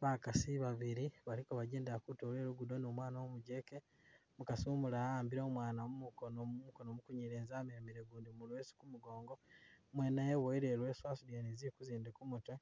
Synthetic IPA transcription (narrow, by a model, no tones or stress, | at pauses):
βakasiβaβiɾiβalikoβaɟeːndakutole̞ːɾuɡudo̞noːmwaːnamuɟe̞ke | mukasiomulaaːmbiɾoːmwaːnamumukonomumukonomukuɲiɾeːnzaːmiɾemiɾeɡuːndimulwesi̥kumuɡo̞ːŋɡo̞mwenajeβoiɾelwe̞ːswaːsudjeniziɾikuziːndekumutwe